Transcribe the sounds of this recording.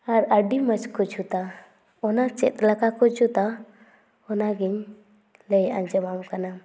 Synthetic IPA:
aɾəɖimət͡ʃkɔd͡ʒʰut̪a | ɔnat͡ʃɛ̰t̪̚lakakɔd͡ʒut̪a | ɔnaɡiɲ | lɛjʔa̰ɲd͡ʒəmamkana

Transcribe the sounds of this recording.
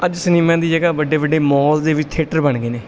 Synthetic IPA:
əd͡ʒsəniːmãːd̪iːd͡ʒəɡaːbəɖeːʋəɖeːmɔːld̪eːʋɪt͡ʃt̪ʰeːʈəɾbəɳɡeːneː

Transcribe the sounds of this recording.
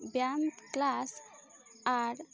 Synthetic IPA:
bjamt̪klas | aɾ

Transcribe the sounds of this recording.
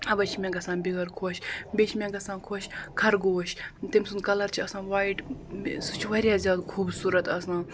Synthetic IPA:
ɐbɐt͡ʃʰimʲẽŋɡɐsãːbiɡɐɾkʰoːʃbʲet͡ʃʰmʲẽŋɡɐsãːnkʰoʃkʰɐɾɡoːʃt̪emsunkɐlɐɾt͡ʃʰiɐsãːʋaiʈsut͡ʃʰʋɐɾʲjaːzʲjaːd̪kʰuːbsuːɾɐt̪ɐsãː

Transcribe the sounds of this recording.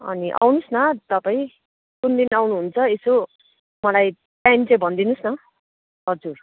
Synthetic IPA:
ʌ̰niʔa̰wnusnʌt̪ʌpaĩ | kund̪inawnuɦunt͡sʰʌeso | mʌlaj | ʈajimt͡saj̃bʱʌnd̪inusnʌ | ʌd͡zur

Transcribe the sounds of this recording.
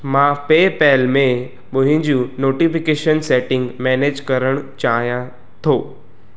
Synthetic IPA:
mãːpeːpɛːlmẽ | ɓʊɦɪ̃d͡ʑũnoːʈifɪkeːʃənsɛːʈɪ̃ŋɡmɛːneːd͡ʑkɐɾəɽ̃t͡ɕaːɦijã | t̪ʰoː

